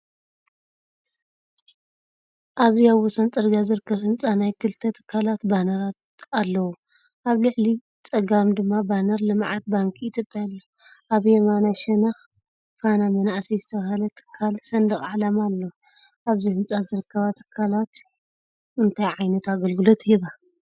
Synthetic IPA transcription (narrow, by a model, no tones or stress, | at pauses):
ʔaβziaβwɔsɐnt͡sʼɨɾɡazɨɾɨkːɐβhɨnt͡sʼanajkʰɨlt̪ʰɐt̪ʰɨ̥kʰːalat̪banɐɾat̪ | alːɐwu | ʔaβlɨʕli | t͡sʼɐɡamd̪ɨmːabanɐɾlɨmʕat̪̚baŋkʰit̪ʰjopʼjalːo | ʔaβjɛmanaʃɐnɐx | fanamɐnaʔsɐjzɨt̪ʰɐβahalɐt̪ʰɨ̥kʰːalsɐnd̪ɐxʼʕalɐmalːo | ʔaβzihɨnt͡sʼazɨɾɨkʰːɐβat̪ʰɨ̥kʰːalat̪ | ɨnt̪ʰajʕajnɐt̪aɡɐlɡɨlot̪ʰiβa